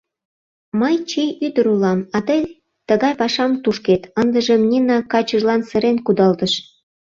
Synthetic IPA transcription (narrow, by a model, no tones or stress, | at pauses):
mɤjt͡ɕijyd̪əɾulɑmɑt̪ɤj | t̪əɣɑjpɑʃɑmt̪uʃket̪ənd̪ə̆ʒĕmnʲinɑkɑt͡ɕə̆ʒlɑnsə̆ɾenkud̪ɑld̪əʃ